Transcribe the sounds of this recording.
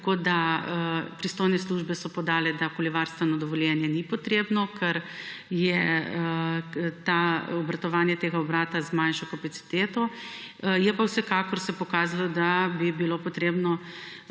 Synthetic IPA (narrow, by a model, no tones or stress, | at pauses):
t̪koːd̪aəpɾist̪oːjnɛsluːʒbɛsɔpɔd̪aːlɛd̪akoliʋaɾst̪ʋɛnɔd̪ɔʋɔljɛnjɛnipɔt̪ɾeːbnɔkʰɛɾjɛ | t̪aɔbɾɐt̪ɔʋaːnjɛt̪eːɡaɔbɾaːt̪azmanʃɔkapasi̥t̪eːt̪ɔ | jɛpawsɛkaːkɔɾsɛpɔkaːzalɔd̪abibilopɔt̪ɾeːbnɔ